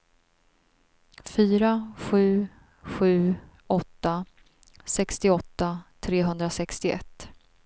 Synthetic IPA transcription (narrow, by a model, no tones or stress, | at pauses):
fyːɾaɧʉ̟ː | ɧʉ̟ː | ʔɔt̪ːa | sɛkst̪ɪɔt̪ːat̪ʰɾeːɦɵnd̪ɾasɛkst̪ɪʔɛ̰t̪ː